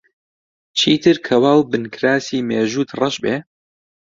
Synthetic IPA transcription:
t͡ʃʰiːt̪ʰɨɾkʰɐwaːwbɨnkʰɾaːsiːmeːʒuːt̪rɑʃbeː

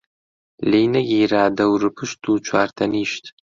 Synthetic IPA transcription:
lejnɐɡʲijɾaːd̪ɐwɾɨpʰɨʃt̪ʰut͡ʃʷʰaːrt̪ʰɐniːʃt̪ʰ

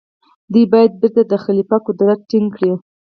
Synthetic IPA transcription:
d̪ujbɑjad̪̚beɾt̪ad̪əxalipakud̪aɾaʈiŋɡkɽi

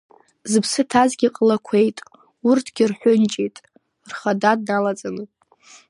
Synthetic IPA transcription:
zɨpʰsɨtʰazɡʲiqʼlakʷʰe̞jtʼ | urtʰɡ̥ʲɪrħʷʊnt͡ʃʼejtʼ | rχadad̚nalat͡sʼanɨ

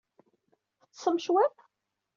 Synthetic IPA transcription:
θət͡sːsˤəmʃwæp

